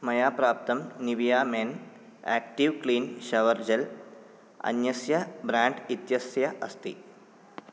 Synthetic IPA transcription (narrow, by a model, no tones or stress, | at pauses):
mɐjaːpɾaːp̚t̪ɐmniʋijaːmeːn | a̰ːk̚ʈiʋkɭiːnʃɐʋɐɾd͡ʑɐl | ɐ̰njɐsjɐbɾaːɳɖit̪jɐsjɐʔɐst̪ḭ